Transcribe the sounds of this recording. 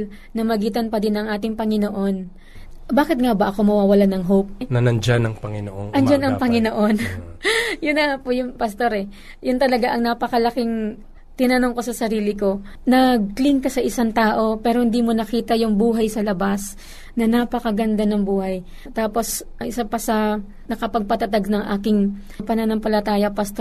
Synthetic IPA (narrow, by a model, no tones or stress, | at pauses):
l | nɐmɐɡiːt̪̬ɐnpɐd̪ɪnɐŋʔaːt̪ɪŋpɐŋɪno̞ʔo̞n | baːkɪt̪̚ŋabɐʔɐko̞mɐwaːwɐlanɐŋɦowp̚nɐnɐnd͡ʒanɐŋpɐŋɪno̰ʔo̰nʔɐnd͡ʒanʔɐŋpɐŋɪnoʔo̞n | jʊnɐpʊjʊŋpɐst̪o̞ɾɛ | jʊnt̪ɐlɐɡaʔɐŋnapɐkɐlɐkɪŋ | t̪ɪnɐnoŋko̞sɐsɐɾiːlɪko̞ | nɐɡ̚klɪŋkɐsɐʔɪsaŋt̪aːʔo̞pɛːɾohɪnd̪imonɐkiːt̪ɐjʊŋbuːɦɐjsɐlɐbas | nɐnapɐkɐɡɐnd̪anɐŋbuːhɐj | t̪aːpo̞s | ʔɐŋɪsapɐsɐ | nɐkɐpɐɡ̚pɐt̪ɐt̪aɡ̚nɐŋʔaːkɪŋ | pɐnanɐmpɐlɐt̪aːjɐpɐst̪o